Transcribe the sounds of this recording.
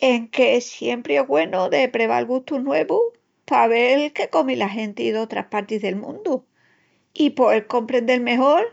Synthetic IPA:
eŋke̞sje̞mpɾeeɦɣwe̞nuðe̞pɾe̞βa̰lɣuht̪unwe̞βu | paβe̞lke̞ko̞milaɦe̞nt̪iðo̞t̪ɾa̰hpaɾt̪izðe̞lmṵ̃nd̪u | ipo̞eɾko̞mpɾe̞nd̪e̞lme̞ɦo̞ɾ

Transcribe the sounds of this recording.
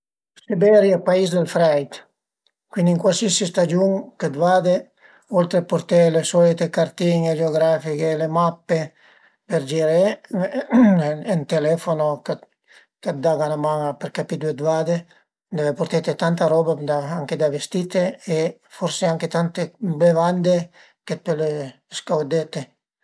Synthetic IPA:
sibɛɾjapaisd̪elfɾɛjt̪ | kwind̪iŋkwalsisist̪ad͡ʒuŋked̪vad̪e | olt̪ɾepoɾt̪elesɔlit̪ekart̪iŋed͡ʒeoɡɾafikelemapːe | peɾd͡ʒiɾe | ent̪elɛfonok | kad̪aɡanamaŋapeɾkapid̪ued̪vad̪e | d̪ɛvepoɾt̪et̪et̪ant̪aɾɔbad̪aaŋked̪avest̪it̪eːfoɾseaŋket̪ant̪ebevand̪e | ket̪̚pele | skawd̪et̪e

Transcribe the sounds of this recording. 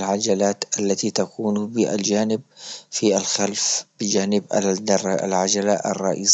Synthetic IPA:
lʕad͡ʒalaːt̪ʔalːat̪it̪akuːnbɪʔa̰ld͡ʒaːnɪb̚fialxalfb̥ɪd͡ʒaːnɪbad̪a̰lʕad͡ʒalaʔɑ̰rˤːɑ̰ʔḭːs

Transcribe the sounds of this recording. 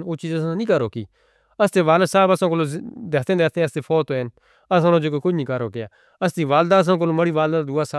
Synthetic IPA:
noːt͡ʃiːzəsãːnĩːkəɾoːkiː | əst̪eːʋaːləsaːbəsãːkoːloːd̪eːkt̪ẽːd̪eːt̪ẽːəst̪eːfʰoːt̪oːen | əsãːnoːd͡ʒoːkokʊd͡ʒnĩːkəɾoːkɪjaː | əst̪iːʋaːld̪aːəs̬ãːk̬oloːməɽiːʋaːld̪aːd̪uːaːsaː

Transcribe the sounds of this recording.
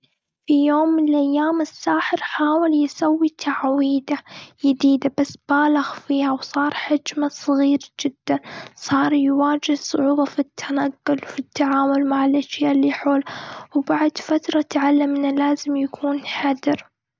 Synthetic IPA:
fijoːmːɪnɪlʔajːaːmɪsːaːħɪɾħaːwɪljɪsawːit̪ʰaʕwiːd̪ajɪd̪iːd̪abasːb̥aːlaɣfiːhawsˤɑːɾˤħad͡ʒmasˤɣiːɾd͡ʒɪd̪ːansˤɑːɾˤjwaːd͡ʒɪhsˤʊʕuːbɑfit̪ʰːanaɡːʊlfit̪ʰːaʕaːmʊlmaʕɪlʔaʃjaːʔlːiħoːlawbaʕd̪fat̪ɾˤɑt̪ʕalːamɪnalaːzɪmjakʰuːnħad̪ɪɾ

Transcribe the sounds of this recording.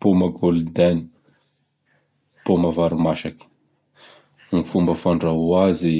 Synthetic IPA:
pomaɡolud̪ani̥ | pomavaɾimaʃaki̥ | ŋfumbəfaɳɖ͡ʐauazi

